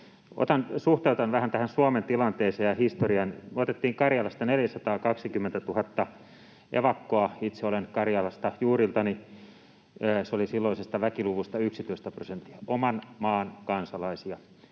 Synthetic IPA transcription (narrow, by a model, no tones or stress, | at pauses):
o̰t̪ɑnsuht̪eut̪ɑnʋæhænt̪æhænsuɑment̪ilɑnt̪eːseːjɑhist̪oriɑnmøot̪et̪ːiːŋkɑrjɑlɑst̪ɑneljæsɑt̪ɑːkɑksikymːent̪æt̪uhɑt̪ːɑ | ʔḛʋɑkːoɑit̪seolenkɑrjɑlɑst̪ɑjuːrilt̪ɑni | seolisilːoisest̪ɑʋækiluʋust̪ɑyksit̪øist̪æprosent̪ːi̥ɑomɑnmɑːnkɑnsɑlɑisiɑ